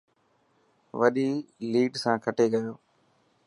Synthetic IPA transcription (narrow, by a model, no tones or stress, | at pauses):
ʋəɗiːliːɖsãːkʰəʈeːɡəjoː